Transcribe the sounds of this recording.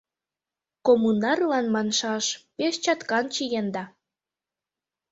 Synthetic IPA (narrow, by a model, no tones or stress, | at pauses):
komunɑrlɑnmɑnʃɑʃpeʃt͡ɕɑt̪kɑnt͡ɕijend̪ɑ